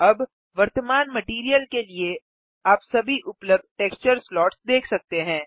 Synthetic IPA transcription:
ɐb | ʋɐɾt̪əmaːnmɐʈiːɾijəlkelie | aːpsɐbʱiʔʊpləb̚d̪̚ʱʈeːkst͡ʃəɾslɔːʈsd̪eːkʰsɐk̚t̪eɦɛ̃ː

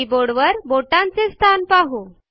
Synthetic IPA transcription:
iboɽʋəɾboʈãnt͡sest̪ʰanpaɦu

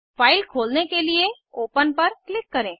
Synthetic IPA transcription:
faːɪlkʰoːlnekelie | oːpənpɐɾklɪkːɐɾẽː

